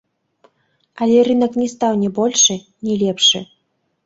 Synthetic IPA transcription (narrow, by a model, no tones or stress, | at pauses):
alʲɛrɨnɐknʲɛst̪awnʲɛbɔlʲʂɨ | nʲɛlʲɛpʂɨ̰